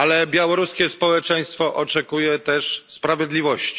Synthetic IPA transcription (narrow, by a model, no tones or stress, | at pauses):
alɛbʲjawɔɾuskʲɛspɔwɛt͡ʂɛj̃st̪fɔʔɔt͡ʂɛkujɛt̪ɛʂspɾavʲjed̪lʲivɔɕt͡ɕi̥